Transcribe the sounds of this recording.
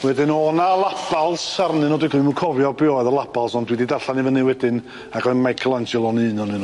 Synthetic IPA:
wɛdɪnɔnalˠapʰalˠsarnɨnɔdɨkʰluɨmukʰɔvjɔbɪɔɨðɔlˠapʰalˠsɔndwididarɬanivənɨwɛdɪn | aɡɔnmajkʰəlˠand͡ʒɛlˠɔnɨːnɔnɨn

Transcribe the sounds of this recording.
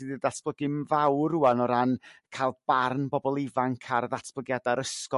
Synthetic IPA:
iðɨdatʰb̥ləɡɪnvawruanɔɾankʰalˠb̥arnbɔbɔlˠɪvaŋkʰarðatʰb̥lˠəɡjadaɾəskɔ

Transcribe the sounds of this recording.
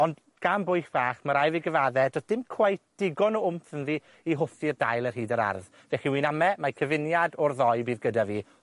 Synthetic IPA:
ɔnd | ɡ̥ambʊɨxb̥aːχmaɾajviɡəvaðɛdɔd̥ɪmkʰw̥ajθd̥ɪɡɔnɔʊmθənði | iɦʊfirdajlˠərhiːdəɾa̰rð | vɛχiwinamɛmakʰəvɪnjadɔrðɔɨbiːðɡədaviː

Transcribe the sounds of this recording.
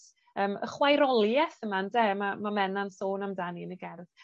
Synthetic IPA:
əːmə̰χwajɾɔlˠjɛθəmandɛmamamɛnansoːnamdaniənəɡɛrð

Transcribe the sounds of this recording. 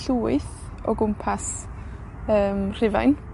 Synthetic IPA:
ɬuːɪθ | ɔ̰ɡʊmpʰas | əːmr̥ɪva̰jn

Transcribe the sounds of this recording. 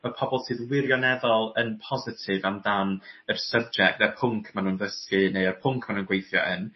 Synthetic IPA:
məpʰɔbɔlˠsʰɨːðwɪɾjɔnɛðɔlˠənpʰɔzɪtʰɪvamdanərsəb̚d͡ʒɛk̚tðɛpʰʊŋkʰmanuːnðəskɨneərpʰʊŋkʰmanuːnɡwejθjɔ̰ʔən

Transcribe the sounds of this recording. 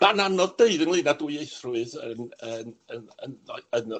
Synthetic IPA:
mananɔðdeɨðənlˠiːnaduɨejθrʊɨðənəːnənəənə

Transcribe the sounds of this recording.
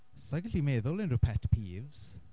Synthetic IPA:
sajɡəɬimeːðʊlɪnrʊpʰɛtpʰiːvz̥

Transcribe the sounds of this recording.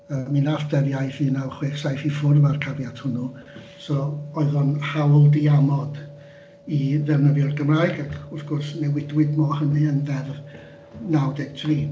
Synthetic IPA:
əːminafd̥ɛvjajθiːnawχweːksajfifʊrmarkʰavjad̥ʰhʊnu | sɔɔɨðɔnhawlˠdiamɔd | iðɛrnəðjɔrɡəmraːjɡakʰʊθɡ̥ɔrsnɛwɪdwɪdmɔhəniənðɛrv | nawdɛɡ̥̚tʰriː

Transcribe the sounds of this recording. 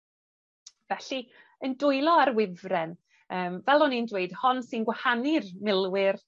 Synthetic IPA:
vɛɬi | əndʊɨlˠɔaɾwɪvrɛn | əːmvɛlˠɔnindweɨd̥hɔnsɪnɡwahanɪrmɪlˠwɪr

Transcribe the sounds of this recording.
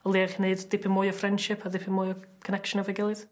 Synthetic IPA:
ɔlˠiaχineɨdːɪpʰɪnmɔjɔfrɛnd̥ʃɪpʰaðɪpʰɪnmɔjɔkʰənɛkʃənavɛɡɪlˠɨð

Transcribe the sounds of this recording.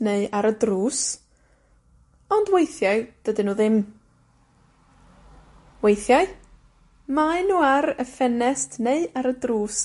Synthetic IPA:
neɨaɾədruːs | ɔndwejθjaɨd̥ədɨnuːðɪm | wejθjaɨ | maɨnuːaɾəfɛnɛstʰneɨaɾədruːs

